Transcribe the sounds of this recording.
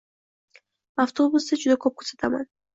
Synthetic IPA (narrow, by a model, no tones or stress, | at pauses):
aft̪ʰobusd̪ad͡ʒud̪akʰɔp̚kʰu̥sḁt̪ʰaman